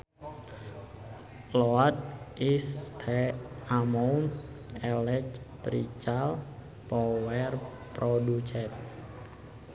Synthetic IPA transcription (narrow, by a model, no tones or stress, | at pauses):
loat̪̚ʔist̪ʰɛamoun | ɛlɛt͡ʃ | t̪ɾḭt͡ʃal | pɔwɛr | pɾodut͡ʃɛt̪̚